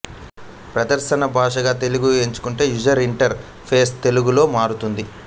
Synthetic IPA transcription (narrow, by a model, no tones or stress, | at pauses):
pɾɐd̪ɐɾʃɐnɐbʱaːʂɐɡaːt̪e̞luɡueɲt͡ʃu̥kuɳʈe̞ːjud͡ʒɐɾiɳʈɐɾ | pʰe̞ːst̪e̞luɡulo̞ːmaːɾut̪und̪i